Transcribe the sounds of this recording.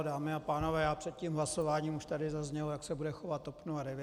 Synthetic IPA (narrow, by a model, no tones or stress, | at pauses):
daːmɪapaːnovɛːjaːpr̥ɛt̪̚ciːmɦlaso̞vaːɲiːmuʃt̪adɪzazɲɛlojaksɛbudɛxovat̪opnuadɛvjɛ